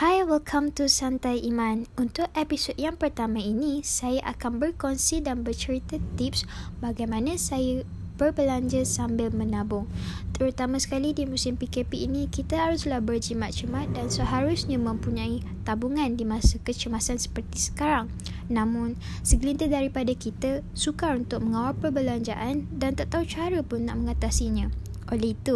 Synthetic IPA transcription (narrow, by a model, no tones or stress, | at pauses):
hajwilkʰãmt̪usant̪ajʔimãnunt̪ʊk̚ɛpisod̚jaŋpərt̪amãinisajaʔakanbərkɔnsidanbərt͡ʃəɾit̪ət̪ipsbaɡajmãnãsaja | b̥ərbəlaɲd͡ʒəsambɪlmə̃nabʊŋt̪əɾut̪amãsə̥kalidimusɪmpikepiinĩkit̪əhaɾʊslahbərd͡ʒimat̪̚t͡ʃəmat̪̚dansəɦaɾʊsɲãmə̃mpuɲãi | t̪abuŋãndimãsəkət͡ʃəmasansə̥pərt̪isə̥kaɾaŋ | nãmʊ̃n | səɡlint̪ədaɾipadakit̪asukaɾunt̪ʊk̚məŋawapəbəlaɲd͡ʒaʔandant̪aʔt̪aut͡ʃaɾəpʊnːa̰ʔməŋat̪asiɲã | ʔolɛhit̪u